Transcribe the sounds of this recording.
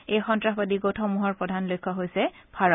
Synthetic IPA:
ejxɔntɹaxbadiɡotʰɔmuɦɔɹpɹɔdʱanlojkʰːɔɦojsɛ | pʰaɹɔ

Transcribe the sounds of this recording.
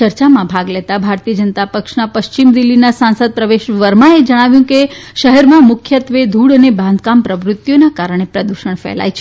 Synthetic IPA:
əɾt͡ʃamãbʱaɡlet̪abʱaɾt̪iəd͡ʒənt̪apəkʃnapəʃt͡ʃimd̪ilːinasãnsəd̪̚pɾəʋeʃʋəɾmãed͡ʒəɽ̃aʋjũkeʃəɦɛɾmãmʊkʰjət̪ʋed̪ʱuɽənebãnd̪̚ʱkampɾəʋɾʊt̪ːjonakaɾəɽ̃epɾəd̪uʃəɳ̃fɛ̰la̰jt͡ʃʰ

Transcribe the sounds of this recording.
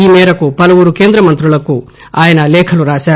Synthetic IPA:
iːmɛːɾɐkupɐlɐʋuːɾukeːnd̪ɾɐmɐnt̪ɾuɭɐkːu | aːjɐnɐlɛːkʰɐluɾaːsaː

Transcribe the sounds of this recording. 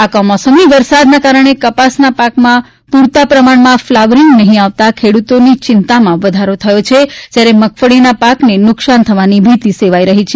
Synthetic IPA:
akɔmɔsəmiʋəɾsad̪nakaɾəɳ̃ekəpasnapakmã | puɾt̪apɾəmaɳmãflaʋɾiŋɡnəɦĩaʋt̪akʰeɽut̪onit͡ʃɪnt̪amãʋəd̪ʱaɾot̪ʰəjot͡ʃʰet̪jaɾeməkʰfəɽinapaknenʊksant̪ʰəʋanibʱit̪iseʋaiɾəɦit͡ʃʰe

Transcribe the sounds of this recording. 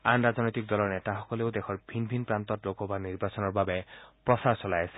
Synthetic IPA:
anɹaznɔjt̪ik̚dɔlɔɹnɛtaxɔkɔleʊdexʰɔɹbʱinbʱinpɹant̪ɔtlokɔbaniɹbasɔnɔɹbabɛpɹɔsaɹsɔlajasɛ̥

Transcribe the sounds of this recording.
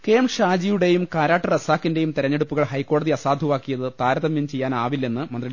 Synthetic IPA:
ke̞ːmʂaːd͡ʑijuɽe̞jumkaːɾaːʈːɐrɐsaːkːinde̞jumt̪iɾɐɲːe̞ɽupːuɣɐɭhɐjkːo̞ːɽɐðiɐsaːd̪ʱuʋaːkːijɐðɨt̪aːɾɐðɐmjint͡ɕe̞jːaːnaːʋilːenːɨmɐnd̪ri

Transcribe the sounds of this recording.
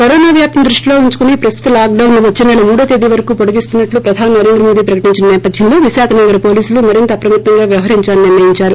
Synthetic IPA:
kɐɾoːnaːʋjaːp̚t̪ɐmd̪ɾuʂʈilo̞ːuɲt͡ʃu̥kunipɾɐst̪ʰut̪ɐlaːk̚ɖɐwnluʋɐt͡ʃːinɛlɐmuːɽɐt̪ed̪iʋɐɾɐkuːpoɽuɡist̪unːɐʈlupɾɐd̪ʱaːninɐɾeːnd̪ɾɐmoːd̪iːpɾɐkɐʈiɲt͡ʃinɐnɛːpɐd̪ʱjɐmlo̞ːʋiʃaːkʰɐnɐɡɐɾɐpo̞ːliːsulumɐɾint̪ɐːpɾɐmɐt̪ːɐŋɡaːʋjɐʋɐɦɐɾiɲt͡ʃaːniniɾʋɐjiɲt͡ʃaːɾu

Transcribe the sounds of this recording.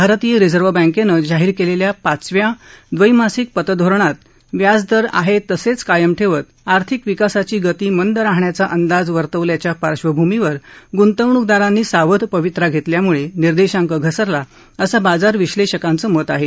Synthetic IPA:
bʱaɾt̪ijəɾid͡zəɾʋəbə̃ŋkenəd͡zaɦiːɾkeleljapat͡sʋjad̪ʋəimasik̚pət̪əd̪ʱoɾɳat̪ | ʋjad͡zd̪əɾa̰ɦet̪əset͡skajəmʈʰeʋət̪aɾt̪ʰikʋikasat͡ɕiːɡət̪iːmənd̪ɾaɦɳjat͡saʔənd̪ad͡zʋəɾt̪əʋljat͡ɕjapaɾɕʋəbʱumiʋəɾɡunt̪əʋɳuk̚d̪aɾanːiːsaʋəd̪pəʋit̪ɾaɡʱet̪ljamuɭeniɾd̪eɕãŋkəɡʱəsəɾla | əsabad͡zaɾʋiɕleɕəkant͡səːmət̪aɦe

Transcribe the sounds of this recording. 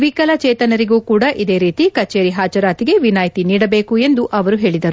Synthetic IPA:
ʋikɐlɐt͡ʃeːt̪ɐnɐɾiɡuːkuːɽaʔid̪e̞ːɾiːt̪ikɐt͡ʃe̞ːɾiɦaːt͡ʃɐɾaːt̪iɡe̞ʋinaːjt̪iniːɽɐbeːkue̞nd̪uʔɐʋɐɾuɦe̞ːɭid̪ɐɾu

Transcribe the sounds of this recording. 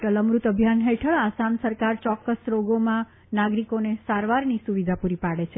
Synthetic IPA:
ʈələmɾut̪əbʱjanɦeʈʰəɭasamsəɾkaɾt͡ʃɔkːəsɾoɡomã | naɡɾikonesaɾʋaɾnisuʋid̪ʱapuɾipaɽet͡ʃʰe

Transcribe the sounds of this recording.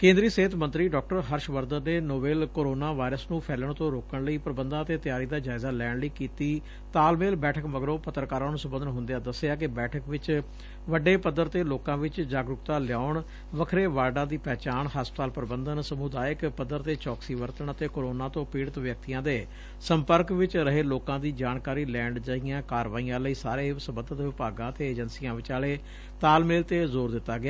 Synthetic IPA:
kẽːnd̪ɾiːseɦɪt̪mə̃nt̪ɾiːɖɔːk̚ʈəɾɦəɾʃʋəɾd̪əneːnoːbeːlkoːɾoːnaːʋaːɪɾəsnũːpʰɛːləɳt̪õːɾoːkəɳləiːpɾəbənd̪ãːət̪eːt̪ɪjaːɾiːd̪aːd͡ʒaːɪzaːlɛːɽləiːkiːt̪iː | t̪aːlmeːlbɛːʈʰəkməɡɾõːpət̪ːɾkaːɾãːnũːsəmbənd̪ənɦʊ̃nd̪ejaːd̪əsːejaːkɪbɛːʈʰəkʋɪt͡ʃ | ʋəɖeːpəd̪ːəɾt̪eːloːkãːʋɪt͡ʃd͡ʒaːɡɾʊkt̪aːlɪjaːʊɳ | ʋəkʰɾeːʋaːɖãːd̪iːpɛːt͡ʃaːɳɦaspət̪aːlpəɾbənd̪ənsəmʊd̪aːjəkpəd̪əɾt̪eːt͡ʃɔːksiːʋəɾt̪əɳət̪eːkoɾoːnãːt̪õːpiːɽət̪ʋjək̚t̪ijãːd̪eː | səmpəɾkʋɪt͡ʃɾəɦeːloːkãːd̪iːd͡ʒaːɳkaːɾiːlɛ̃ːɳɖd͡ʒaːiːãːkaːɾʋaːijãːləiːsaːɾeːsəmbəd̪ət̪ʋɪpaːɡãːət̪eːeːd͡ʒənsijãːʋɪt͡ʃaːleː | t̪aːlmɪlt̪eːzoːɾd̪ɪt̪ːaːɡɪjaː

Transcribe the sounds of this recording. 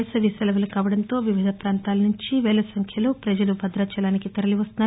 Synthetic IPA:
sɐʋisɐlɐʋɐlɐkaːʋɐɽɐnt̪o̞ːʋiʋid̪ʱɐpɾaːnt̪aːlɐnuɲt͡ʃiʋɛːlɐsɐŋkʰjɐloːpɾɐd͡ʒɐlubʱɐd̪ɾɐːt͡ʃɐɖaːnikit̪ɐɾɐliʋɐst̪una

